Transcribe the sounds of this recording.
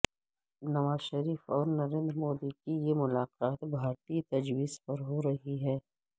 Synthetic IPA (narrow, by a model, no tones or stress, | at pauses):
nɐʋaːzʃɐɾiːfɔːɾnɐɾẽːnd̪ɾmoːd̪ikijemʊlaːqaːt̪bʱaːɾt̪it̪ɐd͡ʒwiːzpɐɾɦoɾɐɦiɦɛː